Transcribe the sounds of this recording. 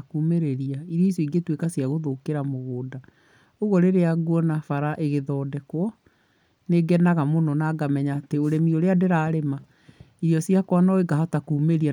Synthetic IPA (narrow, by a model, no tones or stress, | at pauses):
kumeɾeɾiaiɾiisuiɡetwekasijaɣoðokeɾamoɣoːda | oɣɔɾeɾeaɡuɔnafaɾaʔeɣeðɔːdɛkwɔ | neɡɛnaɣamonɔnaːɡamɛɲaːteoɾemioɾeadeɾaːɾema | iɾijɔsiakwanɔeɡaɦatakuːmeɾia